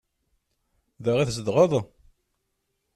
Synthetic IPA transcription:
ðæʁiθsəd̪ʁəðˤ

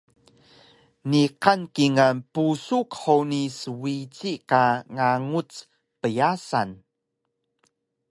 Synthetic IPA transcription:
niqankiŋanpusukħonisəwit͡sikaŋaŋut͡s | pəjasan

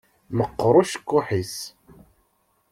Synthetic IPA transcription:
məqːɾˤʊʃə̥kːʊħis

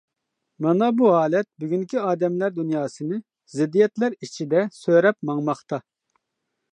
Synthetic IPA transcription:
mɑnɑbuɦɑːlɛt̪̚byɡʲyŋkʲʰyɑːd̪ɛmlæɾd̪unjɑːsɨnɨ | zɪd̪ːijɛt̪læɾit͡ʃʰid̪ɛsøɾɛpmɑŋmɑχt̪ɑ

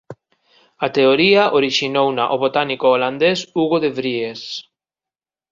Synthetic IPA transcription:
at̪eoɾiaʔoɾiʃinownaʔoβot̪anikoːland̪esuɣoðeβɾies

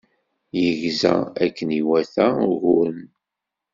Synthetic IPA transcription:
jəʝzæ̰ækːəniwæθæɣʊɾn

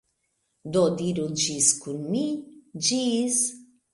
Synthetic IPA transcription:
d̪ɔd̪iɾud͡ʒiskunmid͡ʒiz

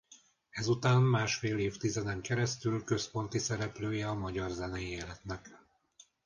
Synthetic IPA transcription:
ɛzut̪aːmːaːʃfeːleːft̪izɛd̪ɛŋkɛɾɛst̪ylkø̞spo̞nt̪isɛɾɛpløːjɛɒmɒɟɒrzɛnɛjieːlɛt̪nɛk

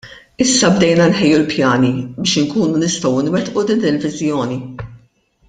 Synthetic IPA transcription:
ɪsːɐbd̪ɛjnɐnħɛjːulpjɐːnibɪːʃɪŋkuːnunɪst̪ɔwɪnwɛt̪ʔud̪id̪ɪlvɪzjɔːni

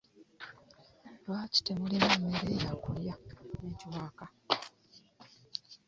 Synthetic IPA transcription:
lwaːci̥temulimeːmːeɾejakuljane̞ːciwaːka

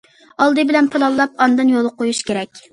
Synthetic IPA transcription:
ɑlˠd̪ɨbɪlɛnpʰɨlˠɑlˠːɑpɑnd̪ɨnjolˠqojuʃkʲeɾɛkʲ

